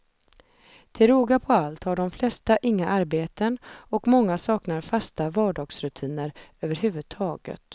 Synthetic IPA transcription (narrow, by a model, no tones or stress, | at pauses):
t̪ʰɪlɾoːɡapʰɔalt̪haɖɔmflɛst̪aʔɪŋːaʔaɾbeːt̪ənɔkmɔŋːasɑːknaɾfast̪avɑːɖɑːɡsɾɵt̪ʰiːnəɾøːvəɾɦʉ̟ːvɵd̪̚t̪ʰɑːɡə̰t̪